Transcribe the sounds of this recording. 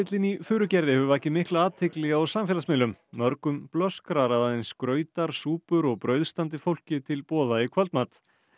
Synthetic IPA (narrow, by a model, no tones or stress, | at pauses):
ɪt̪lɪnifʏːɾʏcɛɾðɪhœʏɛhcɪmɪhklaaːt̪ʰɪklɛɣaɔwsamfɪːlasmɪːlʏmːœɾkʏmplœskɾaɾaðaðejnskɾœːɥt̪aɾ̥suːpʏɾɔɣpɾœːɥðst̪ant̪̬ɪfowl̥cɪt̪ʰɪlpɔːðaikʰvœlt̪maːt̪